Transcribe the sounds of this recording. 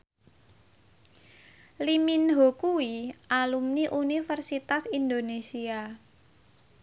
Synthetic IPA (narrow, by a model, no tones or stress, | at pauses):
liminɦokuwiʔalumniʔunifərsit̪asind̪onesia